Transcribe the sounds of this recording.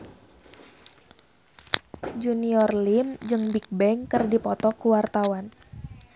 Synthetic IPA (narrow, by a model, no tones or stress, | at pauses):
d͡ʒuniɔrlimd͡ʒɨŋbik̚bɛŋkərdipɔt̪ɔkuwart̪awan